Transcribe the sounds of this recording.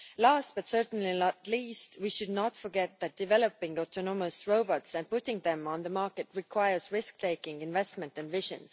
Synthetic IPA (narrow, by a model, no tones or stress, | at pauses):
læːst̚b̥ʌt̪sɜ˞tn̩linətliːstwiʃʊdnɑtfə˞ɡɛt̪̚ðæt̚d̥ɪvɛlopɪ̃ŋɡɔtʰonoməsɹoʊbɑtsæ̃nd̚pʊtɪ̃ŋðɛ̃mə̃nðəmɑɹkɨtɹikʰw̥aɪə˞sɹɪsk̚t̪ʰeɪkɪ̃ŋɡɪ̃nvɛstmɛ̃ntæ̃nvɪʒə̰̃n